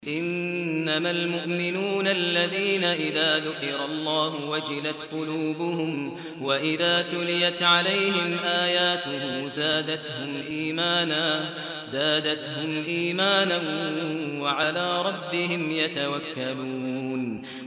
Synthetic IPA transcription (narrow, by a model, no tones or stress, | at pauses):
ʔɪnːamalmʊʔmɪnuːnalːaðiːnaʔɪðaːðʊqɪɾalˤːɑːɦʊwad͡ʒɪlat̪qʊluːbʊɦʊm | waʔɪðaːt̪ʊlɪjat̪ʕalajɦɪmʔaːjaːt̪ʊhʊmzaːd̪at̪hʊmʔiːmaːnaː | zaːd̪at̪ɦʊmʔiːmaːnanwaʕalaːɾˤɑbːɪhɪmjat̪awakːaluːn